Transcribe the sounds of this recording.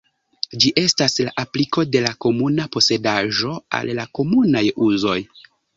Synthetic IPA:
d͡ʒiʔe̞staslaʔapliko̞de̞lako̞munapo̞se̞daʒo̞a̰lːako̞munajuzo̞j

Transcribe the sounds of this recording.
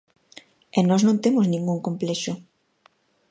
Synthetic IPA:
ɛnɔznõnt̪emʊznĩŋɡuŋkomplɛʃʊ

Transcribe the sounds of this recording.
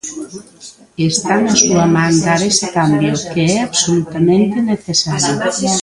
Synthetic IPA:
est̪anasuamand̪aɾesekambjokeɛaβsolut̪amẽnt̪eneθesaɾjo

